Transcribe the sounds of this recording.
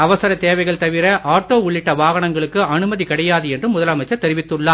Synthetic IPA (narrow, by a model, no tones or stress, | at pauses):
ɐʋɐsɐɾɐt̪eːʋɐɪɣɐɭt̪ɐʋɪɾɐʔaːʈoːʊɭːɪʈːɐʋaːɣɐɳɐŋɡɐɭɯkːɯɐnɯmɐðikɐɽɐjaːðɯɛndrɯmʊðɐlɐmɐɪt͡ʃːɐɾt̪ɛɾɪʋɪt̪ːɯɭːaː